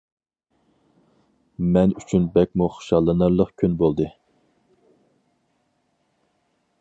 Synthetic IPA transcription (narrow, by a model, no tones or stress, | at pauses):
mɛnyt͡ʃʰynbɛk̚ʲmuχʊ̥ʃɑlˠːɨnɨɾlˠəqkʲʰynbolˠd̪ɨ